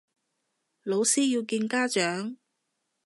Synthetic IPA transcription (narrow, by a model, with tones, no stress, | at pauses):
lo˨˧wsiː˥ji˧wkiː˧nkaː˥t͡ʃœː˨˥ŋ